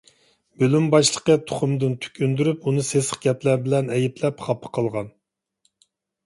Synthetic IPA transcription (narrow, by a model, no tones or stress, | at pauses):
bylymbɑʃlˠəqət̪ʰʊ̥χʊmd̪ɨnt̪ʰy̥kʲʰynd̪yɾypunɨsesə̥χɡʲɛplæɾbɪlɛnɛjiplɛpχɑpʰːə̥qʰəlˠʁɑn